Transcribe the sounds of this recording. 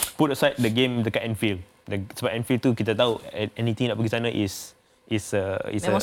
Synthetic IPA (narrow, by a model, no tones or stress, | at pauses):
putasaɪt̚dəɡẽmdəkaʔɛ̃nfil | dəsəbaʔɛ̃nfilt̪ukit̪ət̪awɛnit̪ĩŋdɛʔpakistanaʔis | ʔisəḭs